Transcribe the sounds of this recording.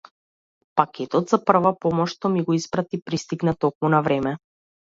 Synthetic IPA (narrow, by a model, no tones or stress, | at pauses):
pakʰʲɛt̪ɔt̪zapr̩vapɔmɔʃt̪ɔmiɡɔispɾat̪ipɾist̪iɡnat̪ɔk̚munavɾɛmɛ